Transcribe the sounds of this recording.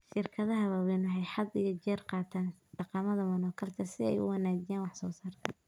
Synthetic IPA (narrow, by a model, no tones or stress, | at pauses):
ʃɪrkʰɐðɐɦɐβɐwɛjnʊɦɛjħɑd̪ijɔt͡ʃɛːrqɑːt̪ʰaːnɖ̥ɑqɑmɐðɐmɐnɔːkʰɐlt̪ʰɐsɪɛ̰jʊ̰wɑnaːd͡ʒɪjaːnwɑħsɔːsaːrt̪ʰɐ